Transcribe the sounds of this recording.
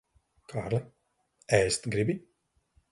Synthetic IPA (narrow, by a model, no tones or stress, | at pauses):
kʰaːɾlˠɛ | ɛjst̪ɡɾibʲi